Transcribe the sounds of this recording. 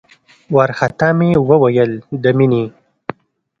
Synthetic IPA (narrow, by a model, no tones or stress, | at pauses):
waɾxat̪amewəwajəld̪əmini